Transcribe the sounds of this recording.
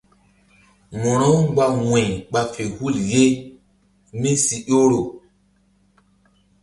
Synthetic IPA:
mɔ˨ɾo˦wɡ͡ba˨wẽ˨jɓa˨fe˨hu˦˨lje˦ | mi˦si˨jo˦ɾo˨

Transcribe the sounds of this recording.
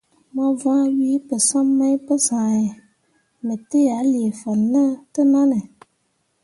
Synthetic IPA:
mã˦vã˦ɥi˦pə˨sã˦mːã˦ĩ˦pə˦sã˨ɛ˨ | mẽ˨te˦a˨˦li˨e˨fə˨nə̃˦t̪ə˦nã˦nə̃˨

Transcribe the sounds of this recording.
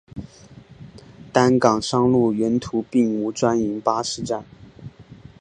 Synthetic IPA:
t̪a˥nkɑ˨˩ŋʂɑ˥ŋlu˥˩ɥɛ˧˥nt̪ʰu˧˥pi˥˩ŋu˧˥ʈ͡ʂwa˥ni˧˥ŋpa˥ʂɻ̩˥˧ʈ͡ʂa˥˩n

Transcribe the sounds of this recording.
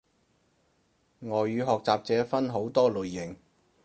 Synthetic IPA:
ŋɔː˨jːyː˨˧ɦɔː˨k̚t͡saː˨p̚t͡sɛː˨˥fɐ˥nɦo˨˥wt̪ɔː˥lɵ˨jːɪ˨˩ŋ

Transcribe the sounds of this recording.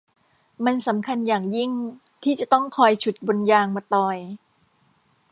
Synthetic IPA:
ma˧nsa˩˦mkʰa˧njaː˨˩ŋji˥˩ŋt̪ʰiː˥˩t͡ɕa˨˩t̪ɔ˥˩ŋkʰɔː˧jt͡ɕʰu˨˩t̪̚bo˧njaː˧ŋmaː˧t̪ɔː˧j

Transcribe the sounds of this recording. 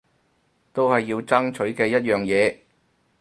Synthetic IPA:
t̪o˥whɐ˨jːiː˧wt͡sɐ˥ŋt͡ʃʰɵ˨˥ɥkɛː˧jɐ˥t̚jœː˨˩ŋjɛː˨˧

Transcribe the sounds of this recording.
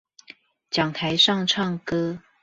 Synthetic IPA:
t͡ɕjɑ˨˩ŋt̪ʰa˧˥ɪʂɑ˥˧ŋʈ͡ʂʰɑ˥˩ŋkɤ˥

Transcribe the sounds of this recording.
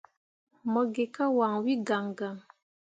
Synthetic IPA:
mɔ˨ɡe˨ka˦wa˨ŋwi˦ɡa˨ŋɡa˨ŋ

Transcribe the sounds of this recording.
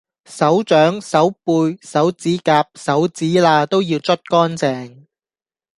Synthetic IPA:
sɐ˨˥wt͡ʃœː˨˥ŋsɐ˨˥wpuː˧jsɐ˨˥wt͡siː˨˥kaː˧p̚sɐ˨˥wt͡siː˨˥laː˧t̪o˥wjiː˧wt͡sʰɵ˥t̚kɔː˥nt͡sɛː˧ŋ

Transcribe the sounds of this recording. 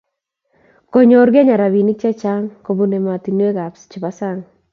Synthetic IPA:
ko˨ɲo˨ɾɡe˦ɲa˨ɾa˨βi˨nɪ˦k̚t͡ʃa˦t͡ʃa˦ŋko˨bu˦ne˨ma˨ti˨nwe˦ka˨pst͡ʃɪ˨ba˦sa˦ŋ

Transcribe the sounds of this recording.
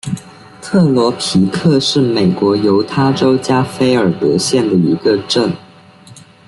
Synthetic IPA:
t̪ʰɤ˥˩lwɔ˧˥pʰi˨˥kʰɤ˥˧ʂɻ̩˥˩me˨˩ɪkwɔ˧˥jo˧˥ʊt̪ʰa˥ʈ͡ʂo˥ʊt͡ɕja˥fe˥ɪə˞˨˩t̪ɤ̰˧˥ɕjɛ˥˩nd̪ə˩i˧˥ɡə˧ʈ͡ʂə˥˩ŋ

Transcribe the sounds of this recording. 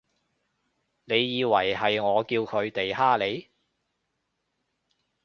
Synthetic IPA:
ne˨˧jːiː˨˧wɐ˨˩jɦɐ˨jŋɔː˨˧kiː˧wkʰɵ˨˧ɥt̪e˨jɦaː˥le˨˧j

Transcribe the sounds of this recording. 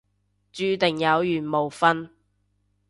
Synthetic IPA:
t͡ʃyː˧t̪ɪ˨˩ŋjɐ˨˧wjyː˨˩nmo˨˩wfɐ˥n

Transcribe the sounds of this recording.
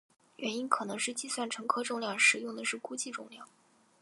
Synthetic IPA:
ɥʔɛ˧˥ni˥nkʰɤ˨˩nɤ˧˥ŋʂɻ̩˥˧t͡ɕi˥˧swa˥˩nʈ͡ʂʰɤ˧˥ŋkʰɤ˥ʈ͡ʂʊ˥˧ŋljɑ˥˩ŋʂɻ̩˨˩jʊ˥˩ŋd̪ə˩ʂɻ̩˥˩ku˥t͡ɕi˥˧ʈ͡ʂʊ̰˥˧ŋljɑ˥˩ŋ

